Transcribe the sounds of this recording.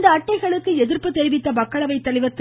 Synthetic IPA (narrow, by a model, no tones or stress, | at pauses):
d̪ɐːʈːɐɪɣɐɭɯkːɯɛðɪrpːɯt̪ːɛɾɪʋɪt̪ːɐmɐkːɐɭɐʋɐɪt̪ːɐɭɪʋɐt̪ː